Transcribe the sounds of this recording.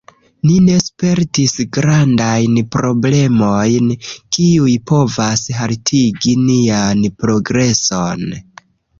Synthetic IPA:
nine̞spe̞ɾtisɡɾandajnpɾo̞ble̞mo̞jnkiujpo̞vasɦaltʰiɡinianpɾo̞ɡɾe̞so̞n

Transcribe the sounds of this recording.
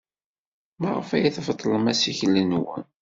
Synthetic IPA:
mæʁə̰fæjəθvt̪ˤːləmæsiçələnwə̰n

